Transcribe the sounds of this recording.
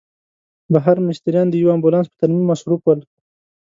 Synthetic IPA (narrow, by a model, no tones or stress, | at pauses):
baɦaɾmɪʃt̪aɾjɑnd̪əjawambulɑnspə̥t̪aɾmimːasɾupwəl